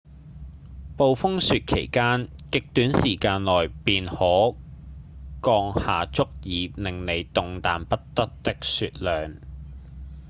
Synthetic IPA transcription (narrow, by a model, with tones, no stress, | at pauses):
po˨wfʊ˥ŋsyː˧t̚kʰḛ˨˩jkaː˥nkɪ˨k̚t̪yː˨˥nsiː˨˩kaː˧nlɔː˨˩jpiː˨nhɔː˨˥ | kɔː˧ŋhaː˨t͡sʊ˥k̚jiː˨lɪ˨ŋle˨˧jt̪ʊ˨ŋt̪aː˨npɐ˥tt̪ɐ˥k̚t̪ɪ˥k̚syː˧t̚lœː˨ŋ